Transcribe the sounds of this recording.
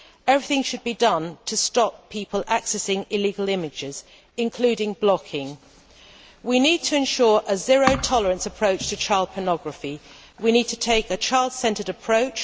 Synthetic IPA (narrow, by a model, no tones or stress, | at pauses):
ɛvɹiθɪ̃ŋʃəd̚bidʌ̃ntʰəstɒpʰiˑpʰəlaksɛsɪ̃ŋɪliːɡəlɪ̃mɪd͡ʒɪz | ɪ̃nkʰl̥ʉːɾɪ̃ŋblɒkʰɪ̃ŋ | winiːd̚tʰəɪ̃nʃɔːɹʔəzɪɹəʊtʰɒləɹə̃nsəpʰɹ̥əʊt͡ʃtʰət͡ʃʰɑɪlˠd̚pʰənɒɡɹəfi | winiːd̚tʰətʰeɪkət͡ʃʰaɪlˠd̥sɛ̃ntəɾəpʰɹ̥əʊt͡ʃ